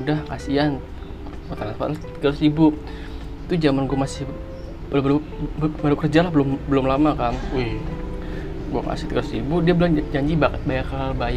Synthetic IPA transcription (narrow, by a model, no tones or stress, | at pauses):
udahkasian | kot̪anat̪fa̰t̪latt̪iɡat̪ʊsibu | it̪ud͡ʒamanɡuamasɪh | bəlmbaɾu | baɾukərd͡ʒalahbəlʊmbəlʊmlamakanʊh | ɡua̰ŋka̰sit̪iɡat̪usibudiabəld͡ʒaɲd͡ʒibakət̪̚bajakaalbaja